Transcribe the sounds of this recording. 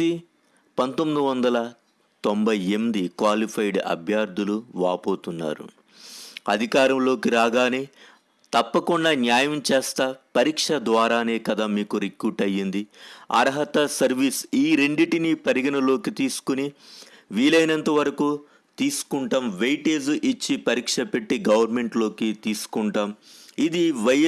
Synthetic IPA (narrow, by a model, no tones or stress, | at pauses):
i | pɐnt̪omːid̪iʋɐnd̪ɐlɐ | t̪ombɐjemd̪ikʋaːlipʰɐjɖɐ̰bʱjaːɾd̪ʱuluʋaːpo̞ːt̪unːa̰ːɾṵ | ɐd̪ʱikaːɾɐmlo̞ːkiɾaːɡaːni | t̪ɐpːɐkuɳɖaːnjaːjɐmt͡ʃɛːst̪ɐpɐɾiːkʂɐd̪ʋaːɾaːneːkɐd̪aːmiːkuɾikjuːʈɐjːind̪iɐ̰ɾɦɐt̪ɐsɐɾʋiːsiːɾe̞ɳɖiʈinipɐɾiɡɐnɐlo̞ːkit̪iːsu̥kuniʋiːlɐjnɐnt̪ɐʋɐɾɐku | t̪iːsu̥kuɳʈɐmʋejʈeːzʔit͡ʃːipɐɾiːkʂɐpe̞ʈːiɡɐʋɐɾme̞ɳʈlo̞ːkit̪iːsu̥kuɳʈaːmid̪iʋɐj